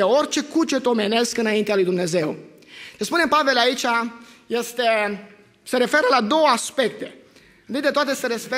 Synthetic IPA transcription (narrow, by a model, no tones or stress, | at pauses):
eo̞rt͡ʃe̞kut͡ʃet̪o̞me̞ne̞skɨnaint̪ealujd̪umne̞ze̞w | t͡ʃ̪espune̞pave̞lait͡ʃaje̞st̪e̞ | se̞ɾe̞fe̞ɾəlad̪o̞wəaspe̞kt̪e̞ | nd̪ik̪td̪et̪oat̪eseɾespe